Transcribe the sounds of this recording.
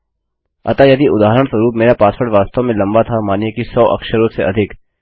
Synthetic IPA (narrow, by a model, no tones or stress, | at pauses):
ɐ̰t̪ajɐd̪iʔʊd̪aːɦəɾəɽ̃sɐɾuːpmeːɾapaːsfʰəɽʋaːst̪ãmẽlɐ̃mbat̪ʰamaːnjekisɔːʔɐ̰kʃəɾõseʔɐ̰d̪ʱɪk